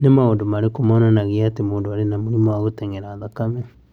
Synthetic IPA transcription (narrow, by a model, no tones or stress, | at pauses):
nemaondomaɾekomɔnanaɣeatemoːndoaɾenamoɾimɔaɣotɛŋɡɛɾaːðakamɛ